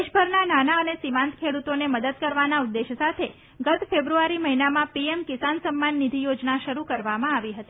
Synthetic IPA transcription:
ʃbʱəɾnananaənesimãnt̪kʰeɽut̪oneməd̪əd̪̚kəɾʋanaud̪ːeʃsat̪ʰe | ɡət̪febɾuaɾiməɦinamãpiemkisansəmːanːid̪ʱijod͡ʒnaʃəɾukəɾʋamãaʋiɦət̪i

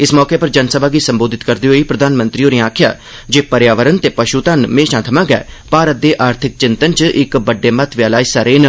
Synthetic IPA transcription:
ɪsmɔːkeːpəɾd͡ʒənsəbʱaːɡiːsə̃mboːd̪ʱɪt̪kəɾd̪iːɦoːiːpɾəd̪ʱaːnmə̃nt̪ɾiːoːneːaːkʰɪja̰ː | d͡ʒeːpəɾjaːʋəɾənt̪eːpəʃuːt̪anmeːʃãːt̪ʰəmãːɡɛ̰ːpaːɾət̪̚d̪eːʔaːɾt̪ʰɪk̚t͡ʃɪnt̪ənt͡ʃʔɪkbəɖːeːmət̪ʰʋjaːlaːisaːɾeːn

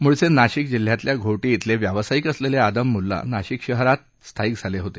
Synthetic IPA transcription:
muɭsenaɕik̚d͡ʑil̤jat̪ljaɡʱoʈiit̪ʰleʋjaʋsaikəslelead̪əmːulːa̰naɕikɕəɦɾat̪̚ | st̪ʰaiːk̚d͡zʱaleɦot̪e

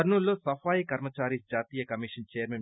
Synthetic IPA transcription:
ɐɾnulːoːsɐpʰaːjikɐɾmɐt͡ʃaːɾiːsd͡ʒaːt̪iːjɐkɐmiːʂɐnt͡ʃeːɾmen

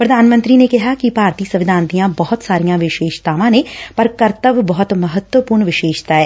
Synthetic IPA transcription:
pɾɐd̪ʱaːnmə̃nt̪ɾinekɛɦakipaːɾt̪isɐʋɪd̪ʱãːnt̪ijãbɐɦʊt̪saːɾijãʋɪʃeːʃt̪aːʋãnẽpɐɾkɐɾt̪əbbɐɦʊt̪mɐɦət̪wəpuːɾɳʋɪʃeːʃt̪aɦɛː

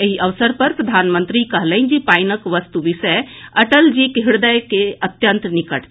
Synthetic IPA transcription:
eɦiʔəʋsəɾpəɾpɾəd̪ʱanmənt̪ɾikəɦləind͡ʒipajnəkʋəst̪uʋisəəʈəld͡ʒikəɦiɽd̪əjkeət̪jənt̪nikəʈ

